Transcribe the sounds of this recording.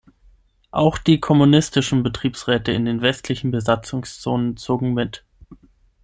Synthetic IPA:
ʔaʊxd̥iːkʰɔmunɪstɪʃn̩bətʁ̥iːpsʁɛːtəɪ̰ndeːnvɛstʰlɪçn̩bəzat͡sʊŋst͡soːnənt͡soːɡŋ̩mɪt

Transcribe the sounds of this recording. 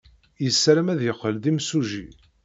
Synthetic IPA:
jəsːɾæmæðjəχːəlðimsuʒi

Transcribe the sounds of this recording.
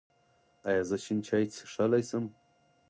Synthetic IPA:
ajazaʃʰɪnt͡ʃʰajt͡sʰʂalajsɨm

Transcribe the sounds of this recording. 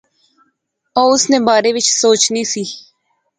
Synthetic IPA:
ɔːʊsnẽːbaːɾeːʋɪt͡ʃsoːt͡ʃniːsiː

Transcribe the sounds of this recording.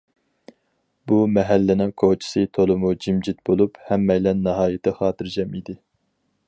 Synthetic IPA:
bumɛɦælːɪnɪ̃ŋkʰot͡ʃʰi̥sɨt̪ʰolˠɨmud͡ʒimd͡ʒit̪̚bolˠuphɛmːɛjlɛnːɑɦɑːjɪt̪ʰɨχɑːt̪ɨɾd͡ʒɛmid̪ɪ

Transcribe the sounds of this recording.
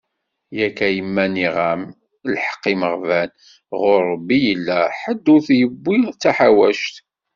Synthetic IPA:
jækːæjəmːæniʁæm | lħə̥qːiməʁvæn | ʁʊɾːəbːijəlːæħəd̪ːʊɾθjəbːit͡sːæħawæʃt̪

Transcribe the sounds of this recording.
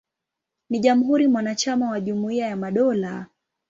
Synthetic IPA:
niʄamuɦuɾimwanat͡ʃamawaʄumuiajamaɗɔla

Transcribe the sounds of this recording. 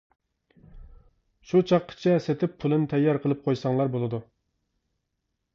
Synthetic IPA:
ʃut͡ʃʰɑqʰːə̥t͡ʃʰɛset̪ʰɪppʰulˠɨnɪt̪ʰɛjːɑɾqʰəlˠɨp̚qʰojsɑŋlˠɑɾbolˠɨd̪u

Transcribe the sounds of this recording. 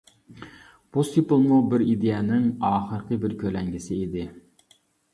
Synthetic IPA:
b̥ust̪ipɨlˠmubɪɾid̪ejɛnɪŋɑːχəɾqʰəbɪɾkʲʰølɛŋɡʲɪsɪid̪ɪ

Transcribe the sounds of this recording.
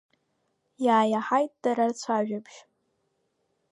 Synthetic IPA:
jaːjaħajtʼd̥aɾart͡sʷʰaʒᶣabʰʒ

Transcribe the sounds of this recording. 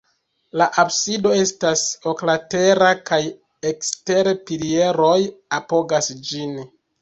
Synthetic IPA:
laʔabsido̞e̞staso̞klate̞ɾakaj | ekste̞ɾepilie̞ɾo̞japo̞ɡasd͡ʒin

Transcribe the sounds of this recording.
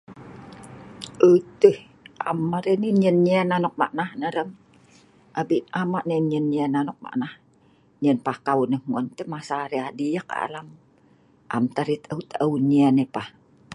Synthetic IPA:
ʔət̪əh | amaɾeniɲəniɛnanɔk̚ma̰ʔnahnəɾəŋ | ʔabinamaʔneɲənɛnanɔk̚ma̰ʔnah | ɲiənpahkawunəhmɔnt̪əmasaɾeadijaka̰a̰lam | ʔa̰mt̪aɾit̪əut̪ʔəuniɛnepah

